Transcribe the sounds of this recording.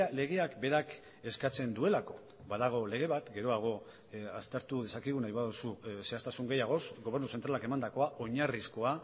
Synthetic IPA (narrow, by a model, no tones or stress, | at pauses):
le̞ɣ̞eakbe̞ɾak | e̞skat͡se̞nd̪ue̞lako̞ | βaðaɣ̞o̞le̞ɣ̞e̞βat̪ɡe̞ɾo̞aɣ̞o̞ | ast̪e̞ɾt̪uðe̞sakiɣ̞unajβaðususe̞ast̪asuŋɡe̞jaɣ̞o̞sɡo̞β̞e̞ɾnuse̞nt̪ɾalake̞mand̪ako̞aʔo̞ɲarisko̞a